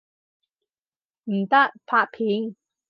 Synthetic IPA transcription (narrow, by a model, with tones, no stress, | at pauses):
m̩˨˩t̪ɐ˥k̚pʰaː˧˥t̚pʰiː˨˥ŋ